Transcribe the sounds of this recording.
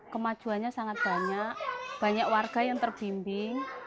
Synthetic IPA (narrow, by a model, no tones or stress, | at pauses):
kəmad̥ʒ̥ṳanɲasaŋat̪̚b̥a̤ɲaʔb̥a̤ɲakwarɡ̥a̤jaŋt̪ərb̥imbɪŋ